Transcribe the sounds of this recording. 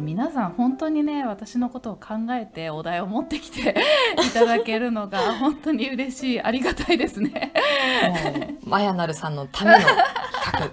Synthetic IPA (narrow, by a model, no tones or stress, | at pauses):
mʲinasãɰ̃hõ̞nt̪o̞ːɲ̟ine̞β̞at̪aɕino̞ko̞t̪o̞ːkʰãŋɡae̞t̪e̞o̞d̪aeomo̞t̪ːe̞kʲi̥t̪ʰe̞it̪ad̪ake̞ɾɯ̟no̞ɡahõ̞nt̪o̞ɲ̟iɯ̟ɾe̞ɕiːaɾʲiɡat̪aid̪e̞sɨne̞ | majanaɾɯ̟sãnːo̞t̪ʰamenokʰakɯ̟